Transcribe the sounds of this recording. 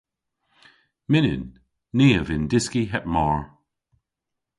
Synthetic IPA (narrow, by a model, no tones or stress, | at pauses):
mɪnɪ̰nː | iːəvɪndɪskiɦɛp̚mɔɹ